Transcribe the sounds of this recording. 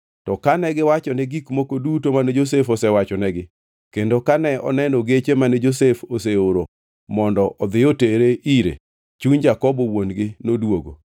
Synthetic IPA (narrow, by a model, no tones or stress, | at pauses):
tɔkanɛɡɪwat͡ʃɔnɛɡikmokodutomanɛd͡ʒos̬efɔsɛwat͡ʃɔnɛɡɪ | kendokanɛɔ̰nɛnɔɡet͡ʃemanɛd͡ʒosefoseoɾo | mɔndɔɔd̪ɪoteɾeʔiɾḛ | t͡ʃuɲd͡ʒakɔbowonɡɪnodwoɡo̰